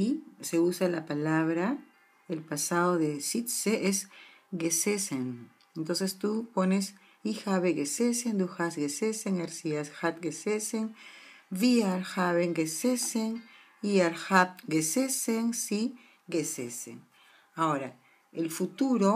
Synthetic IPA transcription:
ise̞usalapalaβɾa | elpasaðo̞ðesit̪seʔes | ɡeseseŋ | ent̪o̞nsest̪upo̞ne̞s | ixaβeɣesesend̪uxasɣeseseŋeɾsiasxat̪̚ɡeseseŋ | viaɾxaβeŋɡeseseŋ | iaɾxap̚ɡeseseŋsi | ɡesesḛŋ | ao̞ɾa | elfut̪uɾo

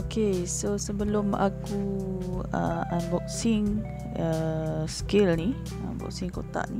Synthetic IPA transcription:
okesosəbəlʊma̰ku | ə̰anbɔk̚siŋ | əskɪlni | ã̰bɔ̰k̚siŋko̰t̪a̰ʔni

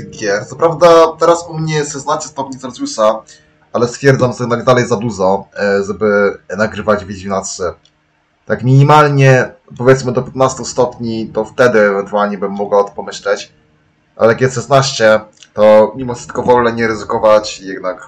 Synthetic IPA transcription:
ɡʲɛt̪sɔpɾavd̪at̪ɛɾasumɲɛjɛʂɛsnaɕt͡ɕɛst̪ɔp̚ʲɲisaɾzjusa | alɛst̪fʲjɛɾd̪zamjɛɡ̪naɡd̪alɛjzad̪uʐɔʐɛbɘnaɡɾɘvad͡ʑvʲed͡ʑʲinat̪sɘ | t̪akmʲiɲimalɲɛpɔvʲjɛt̪smɘd̪ɔpʲjɛt̪̚nast̪ust̪ɔpʲɲit̪ɔft̪ɛd̪ɘːɛvɛnt̪ualɲɛbɘmːɔɡwaɔt̪ɔ̥pɔmɘɕlɛt͡ɕ | ʔa̰lɛjakʲɛsʂɛsnaɕt͡ɕɛt̪ɔmʲimɔfʂɘst̪̚kɔvɔlnɛɲɛɾɘzɘkɔvat͡ɕjɛɡd̪nak

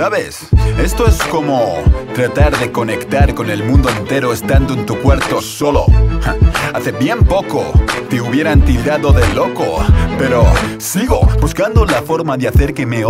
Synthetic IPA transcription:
saβe̞se̞st̪o̞esko̞mo̞t̪ɾat̪aɾðe̞ko̞ne̞kt̪aɾko̞ne̞lmũnd̪oent̪e̞ɾo̞est̪and̪oent̪ukwe̞ɾt̪o̞so̞lo̞̰ | aθe̞bje̞mpo̞ko̞̰t̪euβje̞ɾant̪ilɾaðo̞ðe̞lo̞ko̰pe̞ɾo̞siɣo̞̰buskand̪olafo̞ɾmaðeaθe̞ɾke̞me

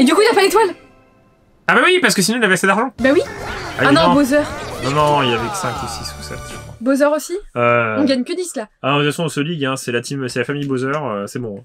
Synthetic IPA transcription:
ed̪ykuinapalet̪wal | abawipaʁsə̥kəs̬inɔ̃ilavɛasɛd̪aʁʒɑ̃bawiaanɔ̃bozœʁnɔ̃nɔ̃ilavɛksɛ̃kusisusɛ̰t̪ʒ̥əkχwabozœʁosiøɔ̃ɡaɲkʲəd̪isla | azasɔ̃osɔliɡɛ̃sɛlat̪ʰimsɛlafamijbozœʁøsɛbɔ̃ɛ̃

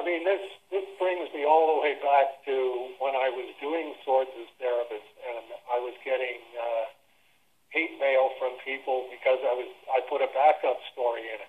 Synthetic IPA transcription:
aɪmĩnðɪsðɪsb̥ɹɪ̃ŋzmiɔlˠðəweɪbæk̚tʰɨwə̃naɪwʌzduɪ̃ŋsɔɹdzɨz̥θɛɹɨpɨsɨ̃naɪwʌzɡɛɾɪ̃ŋ | heɪt̚meɪlˠfɹʌ̃mpʰipl̩ˠbɨkʰʌzaɪwʌzaɪpʰʊɾɨbækʌpstɔɹiɪ̃nɨt̚

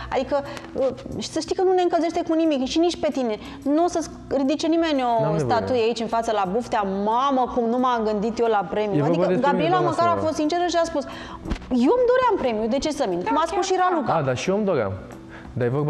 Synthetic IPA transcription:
a̰d̪ikəəʃi̥səʃt̪ijkənune̞ɨŋkəlze̞ʃt̪e̞kunimikʃinit͡ʃpe̞t̪ine̞ | nuosəs | rid̪it͡ʃe̞nime̞nʲost̪at̪ujeait͡ʃʲɨnfat̪səlabuft̪eamaməkumnumaŋɡɨnd̪it̪jo̞lapɾe̞mijuaikədɡabɾielaməkaɾafo̞st̪sint͡ʃeɾəʃiaspus | jomd̪o̞ɾeampɾe̞mijud̪e̞t͡ʃe̞səminkumaspusʃiɾalukaad̪aʃiomd̪oɾea̰m | d̪ajevoba

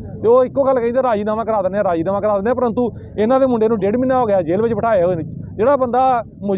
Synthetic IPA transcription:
t̪eːoːɪkːoːɡəlkɛ̃ĩːd̪aːɾaːd͡ʒiːnaːʋãːkəɾaːd̪ənːaːɾaːd͡ʒiːnaːmãːkəɾaːd̪ənaːpəɾənt̪uː | ɪnãːd̪eːmʊɳɖeːnũːɖeːɖmɪnːaːɦoːɡɪjaːd͡ʒeːlʋɪd͡ʒpəʈʰaːeːɦoːnẽd͡ʒeːɽaːbənd̪aː | mʊ

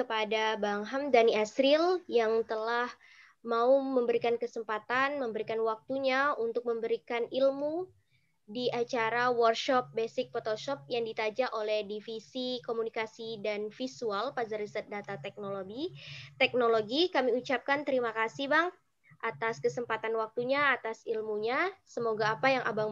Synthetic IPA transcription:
kəpadabaŋɦamdaniasɾiljaŋt̪əlah | mauməmbəɾikankəsəmpat̪anməmbəɾikanwak̚t̪uɲaunt̪ʊk̚məmbəɾikanilmu | diʔat͡ʃaɾawɔrkʃɔp̚besɪk̚fot̪oʃɔp̚jaŋdit̪ad͡ʒaʔolɛhdifisikomunikasidanfisualpazərisət̪̚dat̪at̪ɛk̚noloɡit̪ɛk̚noloɡikamiut͡ʃap̚kant̪əɾimakasihbaŋ | ʔat̪askəsəmpat̪anwak̚t̪uɲaːt̪asilmuɲasəmoɡaːpajaŋʔa̰baŋ

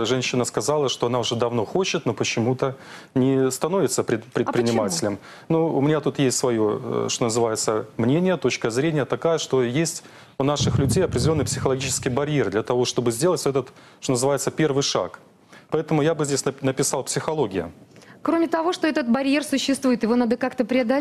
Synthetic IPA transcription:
ʐɛnʲɕːɪnəskɐzalˠəʂt̪oɐnaʊʐɛd̪ɐvno̞xot͡ɕɪt̪nopət͡ɕːɪmut̪ənʲɪst̪ɐno̞vʲɪt̪səpɾʲɪt̪pɾʲɪt̪pɾʲɪnʲɪmatʲɪlʲəm | nuʊmʲɪnʲat̪ut̪jesʲtʲsvɐjo̞ʂt̪o̞nəzɨvajɪt̪səmnʲenʲɪjət̪o̞t͡ɕkəzɾʲenʲɪjət̪ɐkajəʂt̪o̞jesʲtʲ | ʊnaʂɨxlʲʉdʲejɐpɾʲɪdʲɪlʲonːɨpʲsʲɪxəlˠɐɡʲit͡ɕɪ̥skʲɪjbɐɾʲjerd̪lʲɐt̪ɐvo̞ʂt̪o̞bɨzʲdʲelˠətʲɛt̪ət̪ʂt̪onəzɨvajɪt̪səpʲe̞rvɨjʂa̰k | pɐɛt̪əmʊjabɨzʲdʲesʲnənəpʲɪsɑlˠpsʲɪxɐlˠo̞ɡʲɪjə̰kɾomʲɪt̪ɐvo̞ʂt̪oɛt̪ət̪̚bɐɾʲjersʊɕːɪst̪vujɪt̪jɪvo̞nad̪əkakt̪əpɾʲɪɐd̪ɐ

